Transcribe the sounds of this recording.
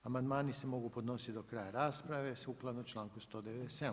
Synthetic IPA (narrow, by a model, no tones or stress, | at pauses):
amand̪maːnisemo̞ɡupo̞d̪no̞sit̪d̪okɾaːjaɾaːspɾaʋesuklˠad̪not͡ʃlˠaːŋkust̪od̪eʋed̪esed̪